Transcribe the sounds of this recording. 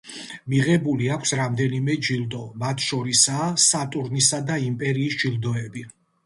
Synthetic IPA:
miʁɛbuliakʷʰsɾamd̪ɛnimɛd͡ʒilˠd̪ɔmat̪ʰʃɔɾisaːsat̪ʼuɾnisad̪aimpʼɛɾiːsd͡ʒilˠd̪ɔɛbi

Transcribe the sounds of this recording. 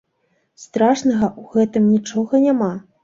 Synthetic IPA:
st̪ɾaʂnɐɣɐʔuɣɛt̪ɨmnʲit͡ʂɔɣɐnʲama

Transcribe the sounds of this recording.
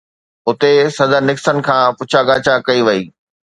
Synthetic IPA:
ʊt̪esɐd̪əɾnɪksən̆kʰãːpʊt͡ɕʰaɡaːt͡ɕakɐiʋɐiː

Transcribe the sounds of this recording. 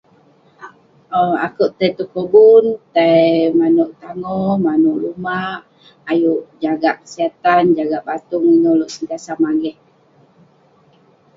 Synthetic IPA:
əa̰kuʔt̪ajt̪ukobunt̪ajmanuʔt̪aŋɔmanuʔlumaʔ | ajuʔd͡ʒaɡaʔkə̥siat̪and͡ʒaɡaʔbat̪uŋiɲɔloʔsənt̪iasamaɡɛh

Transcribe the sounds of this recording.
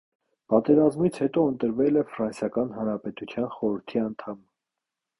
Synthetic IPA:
pɑt̪ɛɾɑzmit͡sʰhɛt̪ɔənt̪əɾvɛlɛfɾɑnsjɑkɑnɦɑnɾɑpɛt̪ut͡sʰjɑnχɔɾəɾt̪ʰiɑnt̪ʰɑm

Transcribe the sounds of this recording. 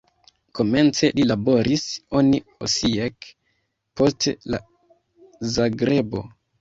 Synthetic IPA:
ko̞me̞nt͡se̞lilabo̞ɾʔiso̞niosiek | po̞stela̰ | zaɡɾe̞bo̞

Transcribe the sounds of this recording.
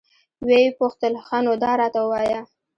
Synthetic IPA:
wepoxt̪əlxanod̪ɑɾɑt̪awəwɑja

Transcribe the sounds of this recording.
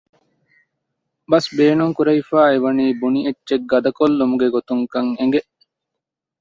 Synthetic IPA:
bɐsbeːnuŋkuɾɐifaːeʋɐniːbunietːt͡ʃeɡːɐd̪ɐkolːumuɡeɡot̪uŋkɐŋeŋɡeʔ

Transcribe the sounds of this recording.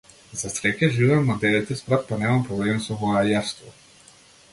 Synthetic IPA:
zasɾɛkʲɛʒivɛmːad̪ɛɾɛt̪ɛspɾat̪̚panɛmampɾɔblɛmsɔvɔajaɾst̪vɔ

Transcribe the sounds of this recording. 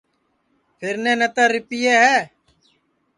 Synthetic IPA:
pʰɪɾneːnət̪əɾːɪpɪjeːɦɛː

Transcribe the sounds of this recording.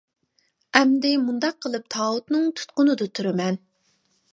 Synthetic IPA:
ɛmd̪ɪmund̪ɑq̚ʰːəlˠɨp̚t̪ʰɑːut̪nɨŋt̪ʰu̥t̪̚qʊnɨd̪ʊt̪ʰuɾɪmɛn

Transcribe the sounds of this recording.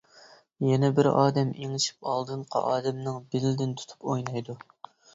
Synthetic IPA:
jɛnɛbɪɾɑːd̪ɛmeŋɪʃi̥pɑlˠd̪ɨɴqʰɑ̰ʔɑːd̪ɛmnɨŋbɪlɪd̪ɪnt̪ʰu̥t̪ʰu̥pojnɑjd̪u

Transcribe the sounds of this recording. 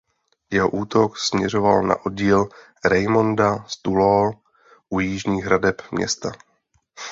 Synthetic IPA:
jɛɦo̞ʔuːt̪o̞ksmɲɛr̝o̞valna̰ʔod̚ɟiːl | ɾɛjmo̞ndast̪ulol | ʔujiːʒɲiːɦɾadɛpmɲɛ̰st̪a

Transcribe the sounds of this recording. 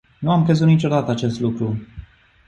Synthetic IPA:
nuamkɾezut̪nit͡ʃo̞d̪at̪əat͡ʃe̞st̪lukɾu

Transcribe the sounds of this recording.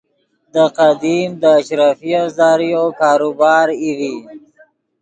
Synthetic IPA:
d̪əqad̪imd̪əːʃɾafiazɑɾijokɑːɾubɑːɾiwi

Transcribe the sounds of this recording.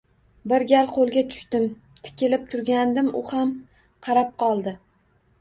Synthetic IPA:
bɪɾɡʲalqʰolˠɡʲat̪ʰʊ̥ʃt̪ɪm | t̪ʰɪ̥kʲʰɪlɪp̚t̪ʰʊɾɡʲand̪ɪmʊham | qʰɑɾap̚qɒlˠd̪ɪ

